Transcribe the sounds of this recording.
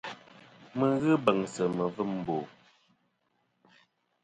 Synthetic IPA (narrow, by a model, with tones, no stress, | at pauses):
mə˨ɣɨ˦bə˨ŋsə˨mə˨vɨ˦˨mm̩˨bo˨